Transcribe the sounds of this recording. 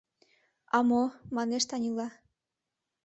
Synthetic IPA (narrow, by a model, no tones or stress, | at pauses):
ɑmomɑneʃt̪ɑnʲilɑ